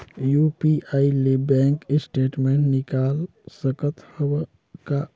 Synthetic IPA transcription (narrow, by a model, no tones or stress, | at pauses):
jupiailebɛ̃ŋkɪsʈeːʈmẽɳʈnɪkal | səkət̪həb | ka